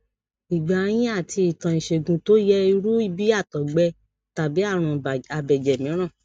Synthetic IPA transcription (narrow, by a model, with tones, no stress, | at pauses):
i˨ɡ͡ba˨˧j̃ĩ˦a˦˨ti˧i˨tã˨ĩ˨ʃe˨ɡũ˨to˦jɛ˦i˧ɾu˦i˦˧˦bi˦a˦˨tɔ˨ɡ͡bɛ˧˦ | ta˨bi˨˦a˦˨ɾ̃ũ˧˨a˨bɛ˨d͡ʒɛ˨mĩ˨˦ɾ̃ã˦˨